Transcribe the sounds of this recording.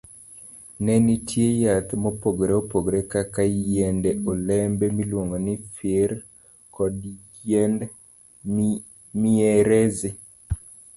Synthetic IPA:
nɛnitʰjejat̪mopoɡɾeopoɡɾekakajendɛolɛmbɛmilwoŋɡonɪfɪɾ | kɔd | en | mieɾɛzɪ

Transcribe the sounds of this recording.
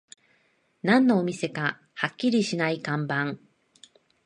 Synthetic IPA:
nãnːoːmʲise̞ka | hakʲːiɾʲiɕinaikãmbãŋ

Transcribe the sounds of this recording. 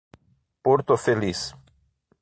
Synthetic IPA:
poɾt̪ofelis

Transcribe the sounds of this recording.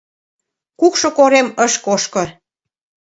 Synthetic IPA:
kukʃŏkoɾeməʃkoʃkɤ̆

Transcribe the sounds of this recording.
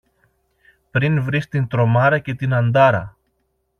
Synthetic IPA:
pɾinvɾist̪int̪ɾo̞mɐɾɐce̞t̪inɐnd̪ɐɾɐ̰

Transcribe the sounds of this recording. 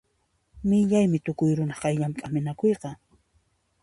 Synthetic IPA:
mɪʎajmɪt̪ʊkʊjɾʊnɑχqɑjʎamkʼamɪnakojqɑ

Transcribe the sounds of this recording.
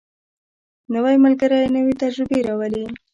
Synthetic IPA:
nəwajmalɡaɾajnəwet̪ad͡ʒɾɪbeɾawəli

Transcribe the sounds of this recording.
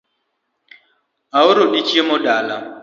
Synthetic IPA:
aoɾoɗit͡ʃiemodala

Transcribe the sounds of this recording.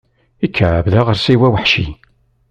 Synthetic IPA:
ikʰːəʕbðaʁəɾsiwæwəħʃi

